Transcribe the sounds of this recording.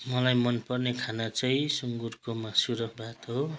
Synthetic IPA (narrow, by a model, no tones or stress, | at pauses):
mʌlajmʌnpʌrnekʰanat͡sʌjsuŋɡurkomasuɾʌkʰbʱat̪ɦo